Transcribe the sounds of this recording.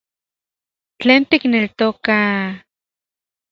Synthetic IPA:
t͡ɬeːnt̪iknelt̪oka

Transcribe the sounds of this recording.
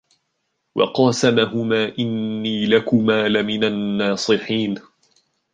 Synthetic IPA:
wɑ̰qɑːsamaɦʊmaːʔɪnːiːlakʊmaːlamɪnanːɑːsˤɨħiːn

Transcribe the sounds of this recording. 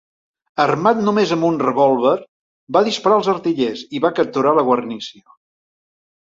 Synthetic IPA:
ərmat̪numezəmbunrəβɔlˠβər | baðispəɾaəlˠzərt̪iʎeziβakəp̚t̪uɾaləɣwərnisiə

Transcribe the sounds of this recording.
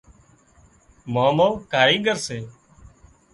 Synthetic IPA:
maːmoːkaːɾĩːɠəɾseː

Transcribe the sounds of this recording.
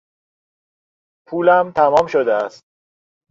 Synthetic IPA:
pʰuːlæmt̪ʰæmɒːmʃod̪eæst̪̚

